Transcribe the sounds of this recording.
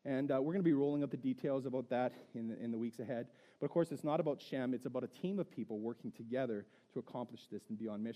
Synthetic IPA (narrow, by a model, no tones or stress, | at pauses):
ɨ̃nwɪɹɡʌnəbiɹoʊlˠɪ̃ŋʌp̚ðɨditʰeɪlˠzəbaʊt̪̚ðəɾɪ̃nɪ̰̃nðəwiksɨɦɛd̚ | b̥ʌɾʌv̥kʰɔɹsɨtsnəɾəbaʊtʃɛ̃mɨtsəbaʊɾɨtʰĩmʌv̥pʰipl̩ˠwɜ˞kɪ̃ŋtʰɨɡɛðə˞ | ɾəːkʰɑ̃mplɨʃðɪsn̩biɑ̃nmɪ